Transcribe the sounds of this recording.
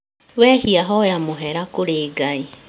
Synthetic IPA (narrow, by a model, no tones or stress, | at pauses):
wɛhiaɦɔjamoɦeɾakoɾeːɡai